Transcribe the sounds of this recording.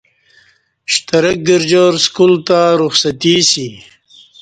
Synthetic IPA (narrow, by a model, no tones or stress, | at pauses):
ʃt̪aɾək̚ɡəɾd͡ʒoɾskult̪aɾʊxsat̪isi